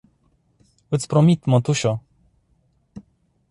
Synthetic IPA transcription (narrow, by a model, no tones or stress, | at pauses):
wɨt̪spɾɔmʲit̪mɔt̪uɕɔ